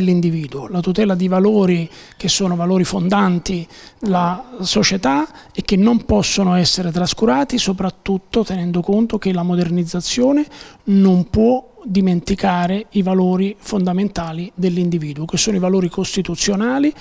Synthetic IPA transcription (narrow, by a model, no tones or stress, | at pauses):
lːind̪iviːd̪uolat̪ut̪ɛːlad̪ivaloːɾik̟esːoːnovaloːɾifond̪ant̪id̪lasot͡ʃet̪a | ɛk̟ːenːompɔsːonoɛsːeɾet̪ɾaskuɾaːt̪isopɾat̪ːut̪ːot̪enɛnd̪okont̪ok̟elamod̪ernid̪zːat̪sːjoːnenompwɔd̪iment̪ikaːɾeivaloːɾifond̪ament̪aːlid̪elːind̪iviːd̪uokesːoːnoivaloːɾikost̪it̪ut̪sːjonaːli